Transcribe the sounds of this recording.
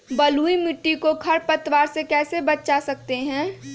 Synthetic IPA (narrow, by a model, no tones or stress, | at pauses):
bɐluːimɪʈːikokʰɐɾpɐt̪waːɾsekɛːsebɐtt͡ʃasɐk̚t̪eɦɛ̃ː